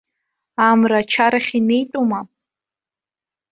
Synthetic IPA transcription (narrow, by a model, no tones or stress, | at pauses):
amrat͡ʃʰaɾaχʲinejtʼuma